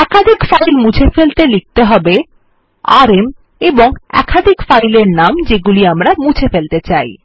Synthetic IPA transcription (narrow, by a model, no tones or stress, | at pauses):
ɛkad̪ʱikfajlmud͡ʑʰʱefelt̪elik̚t̪eɦɔbe | aɾem | eboŋɛ̰kʰad̪ʱikfajleɾnamd͡ʑeɡuliamɾamud͡ʑʰʱefelt̪et͡ɕaj